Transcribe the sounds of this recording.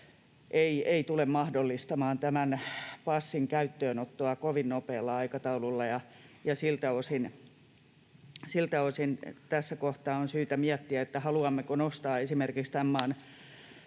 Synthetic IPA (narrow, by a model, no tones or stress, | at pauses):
ʔeieit̪ulemmɑhdolːist̪ɑmɑːnt̪æmænpɑsːiŋkæyt̪ːøːnot̪ːoɑkoʋinnopeːlːɑɑikɑt̪ɑululːɑjɑ | jɑsilt̪æosin | silt̪æosint̪æsːækoht̪ɑːonsyːt̪æmiæt̪ːiæet̪ːæhɑluɑmːekonost̪ɑːesimerkikst̪æmːɑːn